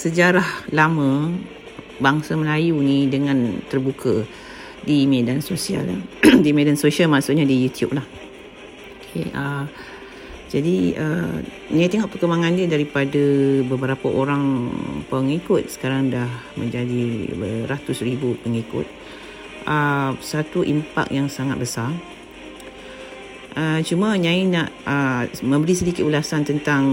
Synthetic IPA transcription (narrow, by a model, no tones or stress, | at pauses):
səd͡ʒaɾahlamə̃ | baŋsaməlajunidəŋãnt̪ərbukʰə | dimedansosia̰ldimedansosialmaʔsʊʔ̪̚ɲadijut̪iṵp̚lah | okʰḛʔə | d͡ʒadiə | niat̪eŋɔʔpərkəmbaŋãndiədaɾipadəbəbəɾapaʔoɾaŋpəŋikʊt̪̚sə̥kaɾaŋdah | mə̰̃ɲd͡ʒadiəɾat̪ʊsribupəŋikʊ̰t̪̚ | ʔəsat̪uʔḭmpa̰k̚jaŋsaŋa̰t̪̚bəsa | ʔət͡ʃumãɲãinaʔəmə̃mbəɾisədikɪt̪̚ulasant̪ənt̪aŋ